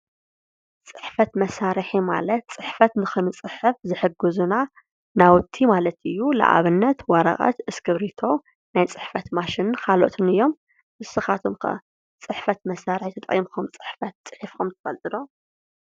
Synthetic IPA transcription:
t͡sʼɨ̥ħfɐt̪mɐsaɾħima̰lɐt̪̚t͡sʼɨħfɐt̪nɨxɨnɨt͡sʼɨħɨfzɨħɨɡɨzuna | nawʊt̪ʰːimalɐt̪ɨjːula̰ʔa̰βɨnːɐt̪wɐɾɐ̰qʼɐ̰t̪ʔɨskɨβɾit̪ʰo̞ | najt͡sʼɨħfɐt̪maʃinkʰalo̰t̪ʰɨnɨjːo̞m | ʔɨsɨxat̪ʰomkʰɐ̰ | t͡sʼɨħfɐt̪mɐsaɾħit̪ʰɐt̪ʼɐʔʼjimkʰomt͡sʼɨ̥ħfɐt̪̚t͡sʼɨħɨfkomt̪ʰɨ̥fɐlt̪ʼɨlo

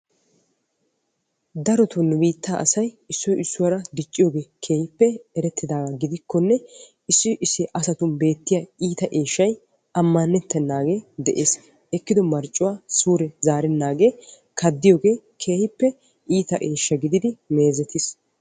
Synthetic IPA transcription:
d̪ɐɾɔt̪ʊnːʊbiːt̪ːaːʔɐsɐj | ɪsːɔjɪsːʊwɐɾɐd̪ɪt͡ʃʼːɪjoːɡe̞ːkʰe̞ːhɪpːɛɛɾɛt̪ːɪd̪aːɡɐɡɪd̪ɪkːɔnːɛ | ɪsːɪʔɪsːɪʔɐsɐt̪ʊnbe̞ːt̪ːɪjaːiːt̪ɐʔeːʃːɐj | ɐmːɐnːɛt̪ːɛnːaːɡe̞ːd̪ɛʔeːs | ɛkːɪd̪ɔmɐɾt͡ʃʼːʊwaːsuːɾɛzaːɾɛnːaːɡeː | kɐd̪ːɪjoːɡe̞ːkʰe̞ːhɪpːɛ | ʔiːt̪ɐʔeːʃːɐɡɪd̪ɪd̪ɪme̞ːzɛt̪ɪs

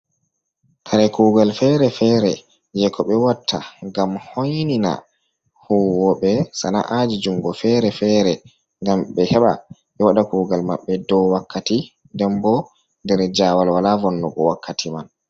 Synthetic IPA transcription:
kʰaɾɛkuːɡalfɛɾɛfɛɾɛ | jɛkʰɔɓɛwatʰːaŋɡamhojnina̰ | huwɔɓɛsana̰ʔad͡ʒid͡ʒumɡɔfɛɾɛfɛːɾɛ | ŋɡamɓɛhɛɓa̰ɓɛwaɗakuːɡalma̰ɓːɛdɔwakʰːati | ndɛmbɔ | ndɛɾd͡ʒaːwalwalavɔnːɔɓɔwakːatʰiman

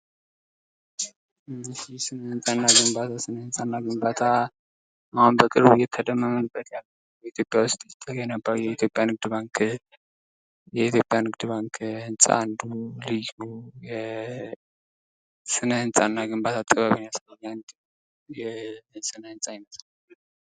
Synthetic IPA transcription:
sisɨnəhɨnsʼanːaɡɨmbat̪ʰasɨnəhɨnsʼanːaɡɨmbat̪ʰa | ahunbəkʼɨɾbujɛt̪ʰːəd̪əmːəmənbʼət̪jalːə | jɛit̪ʰjo̞pʼːjawʊst̪ʼjt̪ʼːəɡɛnəbːajɛit̪ʰjo̞pʼjanɨɡ̚d̪ɨbaŋk | jɛit̪ʰjo̞pʼjanɨɡd̪ɨβaŋkʰhɨnsʼa̰nd̪ulɨjujɛ | sɨnəhɨnsʼanːaɡɨmbat̪ʰat̪ʼːəβaβɨnasləɲːant̪ʼ | jɛsɨnəhɨnsʼajɪməslal

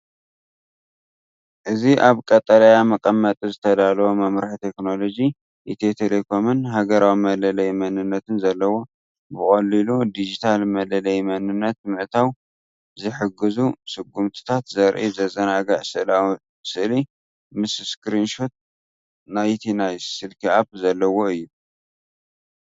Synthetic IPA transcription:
ʔɨziʔaβkʼɐt̪ʼːɐlɐjamɐkʼɐmːɐt̪ʼizɨt̪ʰɐd̪alwomɐmɾaħt̪ʰe̞kno̞lo̞d͡ʒi | ʔit̪ʰet̪ʰelekʰo̞mɨnɦaɡɐɾawimɐlɐlɐjmɐnɨnːɐt̪ɨnzɐlːɐwo̞ | bɨχʼɐlːilud̪id͡ʒit̪ʰalmɐlɐlɐjmɐnɨnːɐt̪mɨʕt̪ʰaw | zɨħɨɡɨzusɨɡːumt̪ʰɨ̥t̪ʰat̪zɐɾʔizɐzɐnaɡɐʕsɨʔla | sɨʔli | mɨsskɾinʃot̪̚ | najt̪ʰinajsɨlkʰiabzɐlːɐwo̞ɨjːu

